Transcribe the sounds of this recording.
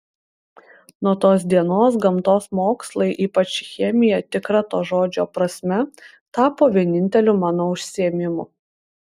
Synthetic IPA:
nuɔt̪oːs̬d̪ʲiɛnoːs̬ɡɐmt̪oːsmoːkslˠɐɪʔiːpɐt͡ʃʲxʲɛmʲɪjɛt̪ʲɪkɾɐt̪oːʒoːd͡ʒʲoːpɾɐsʲmʲɛ | t̪ɑːpoːʋʲiɛnʲɪnʲt̪ʲɛlʲʊmɑːnoːʊʃʲsʲiɛmʲɪmʊ̰

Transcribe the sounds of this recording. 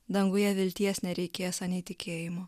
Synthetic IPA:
d̪ɐŋɡʊjɛʋʲɪlʲt̪ʲiɛsnʲɛɾʲɛɪkʲeːjosɐnʲiːt̪ʲɪkʲeːjɪmoː

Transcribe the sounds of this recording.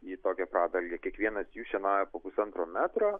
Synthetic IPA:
iːt̪oːkʲɛpɾɑːd̪ɐlʲɡʲɛkʲiɛkʋʲiɛnɐsjuːʃʲɛnɑːjɛpoːpʊsɐnt̪ɾoːmʲæːt̪ɾoː

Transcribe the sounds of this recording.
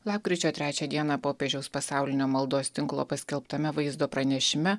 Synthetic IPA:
lˠɑːp̚kɾʲiːt͡ʃʲoːt̪ʲɾʲæːt͡ʃʲɛd̪ʲiɛnɑpoːpʲeːʒʲɛʊspɐsɑˑʊlʲɪnʲoːmɐlˠd̪oːst̪ʲɪŋklˠo̰ːpɐsʲkʲɛlˠpt̪ɐmʲɛʋɐɪzd̪oːpɾɐnʲɛʃʲɪmʲɛ

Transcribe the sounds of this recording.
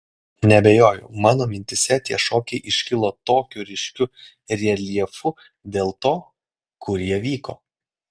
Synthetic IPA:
nʲɛbʲejoːjʊ̰ʊmɑːnoːmʲɪnʲt̪ʲɪsʲɛt̪ʲiɛʃoːkʲɛɪʔɪʃʲkʲɪlˠoːt̪oːkʲuɾʲɪʃʲkʲʊ | ɾʲiɛlʲiɛfʊ | d̪ʲeːlˠt̪oː | kʊɾjiɛʋʲiːko̰ː

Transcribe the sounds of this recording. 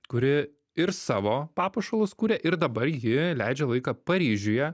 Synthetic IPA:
kʊɾʲɪ | ɪɾsɑːʋoːpɑːpɐʃɐlˠʊskuːɾʲeːʔɪɾd̪ɐbɐɾjɪlʲæɪd͡ʒʲɛlˠɐɪkɑːpɐɾʲiːʒʲʊjɛ

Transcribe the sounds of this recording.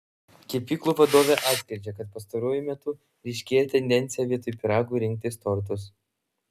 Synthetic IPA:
kʲiɛpʲiːklˠuːʋɐd̪oːʋʲeʔɑːt̪sʲkʲɾʲɪɾʲd͡ʒʲɛkɐt̪̚pɐst̪ɐɾuɔjʊmʲɛt̪ʊ | ɾʲɛɪʃʲkʲeːjɛt̪ʲɛnʲd̪ʲɛnʲt̪sʲɪjɛʋʲiɛt̪ʊjpʲɪɾɑːɡʊːɾʲɪŋk̚t̪ʲɪst̪ɔɾt̪̬ʊs

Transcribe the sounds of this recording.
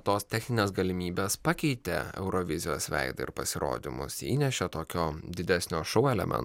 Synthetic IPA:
t̪oːst̪ʲɛxʲnʲɪnʲeːsɡɐlʲɪmʲiːbʲeːspɑkʲɛɪt̪ʲḛɛ̰ʊɾoʋʲɪzʲɪjoːsʋʲɛ̰ɪd̪ɐ̰ɪ̰ɾpɐsʲɪɾo̰ːd̪ʲɪmʊ̰sḭːnʲɛʃʲet̪oːkʲoːd̪ʲɪd̪ʲæsʲnʲoːʃɔʊɛlʲɛ̰mʲʔʲɛ̰n

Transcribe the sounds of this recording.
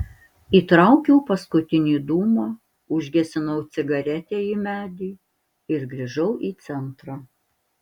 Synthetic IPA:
iːt̪ɾɐˑʊkʲɛʊpɐskʊt̪ʲɪnʲiːd̪uːmɑː | ʊʒʲɡʲɛsʲɪnɐʊt̪sʲɪɡɐɾʲɛt̪ʲeːimʲæːd̪ʲiː | ɪɾɡɾʲiʒɐʊʔiːt̪sʲɛnt̪ɾɑː

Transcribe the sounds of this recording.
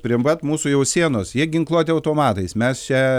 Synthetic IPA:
pʲɾʲiɛmʋɐt̪muːsʊjɛʊsʲiɛnoːsjiɛɡʲɪŋklˠuɔt̪ʲɪɐʊt̪oːmɑːt̪ɐɪsmʲɛst͡ʃʲɛ

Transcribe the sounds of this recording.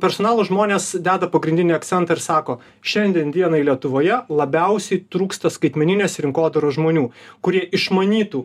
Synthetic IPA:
pʲɛɾsɔːnɑːlˠʊʒmoːnʲeːsd̪ʲæːd̪ɐpɐɡɾʲɪnd̪ʲɪnʲiɐkt̪sʲɛnt̪ɑɪɾsɑːkoː | ʃʲɛnʲd̪ʲiɛnd̪ʲiɛnɐilʲiɛt̪ʊʋoːjɛlˠɐbʲɛʊsʲɛɪt̪ɾuːkst̪ɐskɐɪt̪ʲmʲɛnʲɪnʲeːsɾʲɪŋkoːd̪ɐɾoːʒmoːnʲuːkʊɾʲiɛʔɪʃmɐnʲiːt̪uː

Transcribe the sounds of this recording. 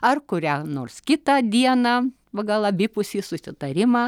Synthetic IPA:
ɐrkʊɾʲæːnoːrskʲɪt̪ɐd̪ʲiɛnɑ | ʋɐɡɐlˠɐbʲɪpʊsʲiːsʊsʲɪt̪ɐɾʲɪmɑː

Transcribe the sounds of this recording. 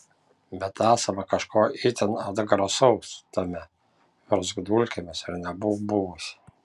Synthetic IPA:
bʲɛt̪æːsɐmɐkɐʃkoːit̪ʲɛnɐd̪ɐɡɾɐsɔʊst̪ɐmʲɛ | ʋʲɛɾzɡd̪ulʲkʲɛmʲɪsɪɾnʲɛbʊbʊʋʊsʲ

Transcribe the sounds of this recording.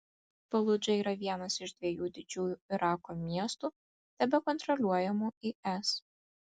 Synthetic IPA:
pɐlˠʊd͡ʒʲɛiːɾɐʋʲiɛnɐsɪʃd̪ʲʋʲiɛjuːd̪ʲɪd͡ʒʲuːjuɪɾɑːkoːmʲiɛst̪uː | t̪ʲɛbʲɛkɔnt̪ɾɔlʲuɔjɛmuːiʔɛs

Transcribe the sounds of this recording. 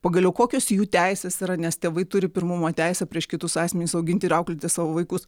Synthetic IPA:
pɐɡɐlʲɛʊkoːkʲoːsjuːt̪ʲæɪsʲeːsiɾɐnʲɛst̪ʲeːʋɐɪt̪ʊɾʲɪpʲɪrɾmʊmoːt̪ʲæɪsʲɛpʲɾʲiɛʃkʲɪt̪ʊsɑːsʲmʲɛnʲɪʊsɐʊɡʲɪnʲt̪ʲɪːɾɐʊklʲɪt̪ʲɪsɑːʋoːʋɐɪkʊs

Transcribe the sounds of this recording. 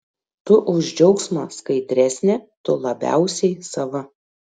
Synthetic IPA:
t̪ʊʔʊʒʲd͡ʒʲɛʊksmɐːskɐɪd̪ʲɾʲæsʲnʲɛt̪ʊlˠɐbʲæ̰ˑʊsʲɛɪsɐʋɐ

